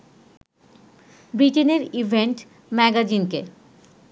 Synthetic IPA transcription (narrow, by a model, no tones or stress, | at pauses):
bɾiʈeneɾibʱeɳʈ | mɛɡad͡ʑinke